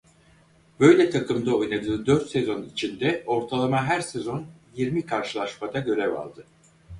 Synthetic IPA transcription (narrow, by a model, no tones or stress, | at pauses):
bø̞jlʲɛt̪ʰakʰɯmd̪ao̞jnad̪ɯːd̪øɾt̪sezo̞nit͡ʃʰind̪ɛo̞ɾt̪ʰalˠamaɦæɾsezo̞njiɾmikʰaɾʃɯlˠaʃmad̪aɟø̞ɾɛva̰lˠd̪ɯ